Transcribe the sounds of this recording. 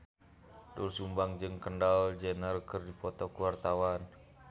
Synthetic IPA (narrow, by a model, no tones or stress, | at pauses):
dulsumbaŋd͡ʒɨŋkəndald͡ʒɛnərkərdipɔt̪ɔkuwart̪awan